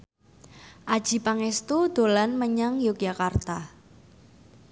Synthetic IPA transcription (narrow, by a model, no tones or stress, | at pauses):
ʔad̥ʒ̥i̤paŋest̪ud̪̥olanməɲaŋjok̚ʒakart̪a